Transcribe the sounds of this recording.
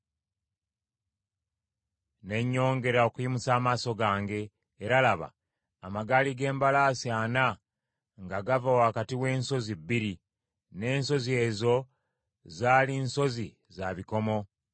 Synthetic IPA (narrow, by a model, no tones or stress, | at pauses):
ne̞ɲːo̞ːŋɡe̞ɾao̞kujimusaːmaːso̞ɡaːŋɡe̞ː | ɾalaβa̰ː | maɡaːliɡe̞ːmbalaːsiana | ŋɡaɡavawaːkatiwe̞ːnso̞zibːiɾi | ne̞ːnso̞zie̞ːzo̞ | zaːlinso̞zi | zaβiko̞mo̞